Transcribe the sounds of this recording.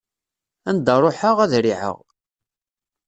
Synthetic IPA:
ænd̪ərˤoħəʁæðɾiʕə̰ʁ

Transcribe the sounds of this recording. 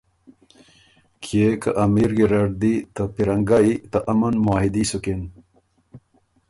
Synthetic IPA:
kʰekɐʔɐmiɾɡiɾɐɖd̪it̪ɐpiɾɐŋɡait̪ɐʔɐmɐnmaːɦid̪isukin

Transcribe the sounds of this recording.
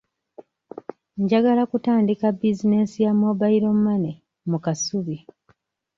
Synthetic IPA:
ɲɟaɡalakutaːndikabːizine̞sijamobaiɾo̞mːane | mukasuβi

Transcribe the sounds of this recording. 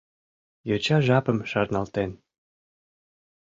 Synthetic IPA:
jot͡ɕɑʒɑpə̆mʃɑrnɑlt̪en

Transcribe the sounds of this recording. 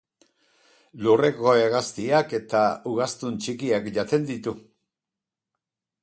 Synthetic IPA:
lure̞ko̞eɣast̪iake̞t̪auɣast̪unt͡ʃikiakʝat̪e̞nd̪it̪u

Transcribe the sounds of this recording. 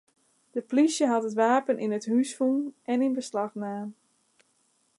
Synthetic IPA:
d̥əplisjəɦɑtətʋaːpənʔinəthysfunɛninbəslɑxnaːn

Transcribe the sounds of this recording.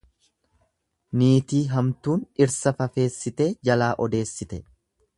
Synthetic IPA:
niːt̪iːɦɐmt̪uːnɪɾsɐfɐfe̞ːsːɪt̪e̞ːd͡ʒɐlaːʔɔd̪e̞ːsːɪt̪ɛ

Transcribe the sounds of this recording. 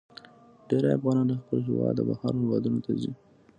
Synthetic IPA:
ɖeɾaafɣɑnɑnaxpəlɦɪwɑd̪əbahaɾhɪwɑd̪unot̪azi

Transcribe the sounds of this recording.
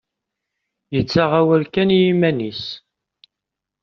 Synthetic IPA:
jət͡sːaʁawəɾkænjimænis

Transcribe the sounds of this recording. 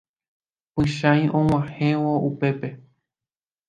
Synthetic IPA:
pɨʃãjʔõw̃ãhẽwoʔupe̞pe̞

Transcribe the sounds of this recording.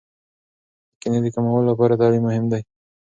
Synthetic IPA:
kɪned̪ekamawəlolapɑɾat̪ɑlimːʊhɪmd̪aj

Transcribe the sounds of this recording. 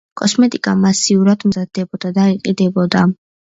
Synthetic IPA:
kʼɔsmɛt̪ʼikʼamasiuɾad̪mzad̪ɛbɔd̪ad̪aiqʼid̪ɛbɔd̪a

